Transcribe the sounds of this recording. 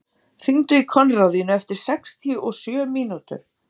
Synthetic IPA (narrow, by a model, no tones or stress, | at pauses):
θiŋt̪ʏikʰɔnrawðjʏnʏɛft̪ɪɾ̥sɛkst̪ʰiʏʔɔsjœːmiːnut̪ʏ̰ɾ̥